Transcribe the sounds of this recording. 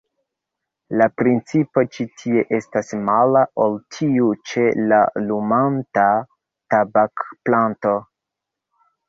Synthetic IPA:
lapɾint͡sipo̞t͡ʃitʰie̞ʔe̞stasmalaʔoltʰiut͡ʃe̞lalumanta | tabakplanto̞

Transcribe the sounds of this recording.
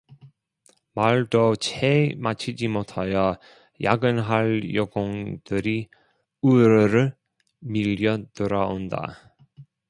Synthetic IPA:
maɭdot͡ɕʰemat͡ɕʰid͡ʑimotʰajʌ | jaɡɯnɦaɭjoɡoŋd̥ɯɾi | uɾɯɾɯ | miʎjʌd̥ɯɾaonda̰

